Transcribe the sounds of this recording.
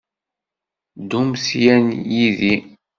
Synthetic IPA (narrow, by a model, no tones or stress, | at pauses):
d̪umsjænjiði